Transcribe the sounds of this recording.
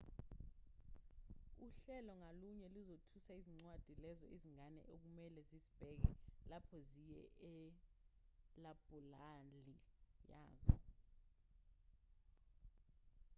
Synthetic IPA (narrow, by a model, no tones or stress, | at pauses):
uɬɛlɔŋaluɲɛluzotʰusaiziŋ͡ǀwad̥ʱilɛzɔiziŋanɛ̰ʔok̬umɛlɛzizib̥ʱɛk̬ɛlapʰɔzijɛ̰ɛ | lab̥ʱulalija̰ːzɔ̰